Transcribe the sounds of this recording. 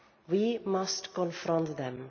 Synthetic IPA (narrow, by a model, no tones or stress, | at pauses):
wimastkɔ̃nfɾɔ̃ntðɛ̃m